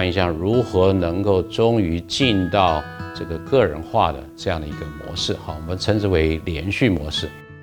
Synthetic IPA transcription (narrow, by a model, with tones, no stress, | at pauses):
ŋi˧ɕjɑ˥˩ŋɻu˧˥xɤ˧˥nɤ˧˥ŋko˥˩ʊʈ͡ʂʊ˥ŋy˧˥t͡ɕi˥˧nt̪ɑ˥˩ʊʈ͡ʂɤ˥˩ɡə˩kɤ˥˩ɻə̰˧˥nxwa̰˥˩d̪ə̰˩ʈ͡ʂɤ˥˧jɑ˥˩ŋd̪ə˩i˧˥ɡə˧mwɔ̰˧˥ʂɻ̩˥˩xɑ˥˩wɔ˨˩mə˦nt͡sʰə˧˥ŋʈ͡ʂ̩˥we˧˥ɪljɛ˧˥nɕy˥˩mwɔ̰˧˥ʂɻ̩˥˩